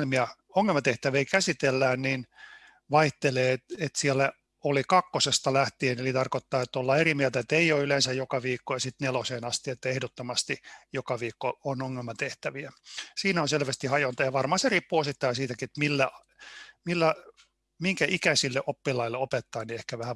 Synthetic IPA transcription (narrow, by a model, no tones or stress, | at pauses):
elmiɑ | oŋːelmɑt̪eht̪æʋiiːkæsit̪elːæːnnin | ʋɑiht̪eleːt̪et̪siælːæ | olikɑkːosest̪ɑlæht̪ienelit̪ɑrkot̪ːɑːet̪ːolːɑerimiælt̪æet̪ːeijoylensæjjokɑʋiːkːojɑsit̪neloseːnɑst̪iet̪ːæehdot̪ːomɑst̪ijokɑʋiːkːoonoŋːelmɑt̪eht̪æʋiæsiːnæonselʋæst̪ihɑjont̪ɑjɑʋɑrmɑhɑseriːpːuosit̪ːɑːsiːt̪ækiet̪milːæ | milːæ | miŋkæʔikæsilːeʔopːilɑilːeopet̪ːɑːniehkæʋæhæ